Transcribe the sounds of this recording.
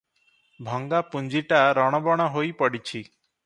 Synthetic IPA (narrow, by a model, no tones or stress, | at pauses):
bʱɔŋɡapund͡ʒiʈaɾɔɽ̃ɔbɔɽ̃ɔɦojpɔɽit͡ʃʰi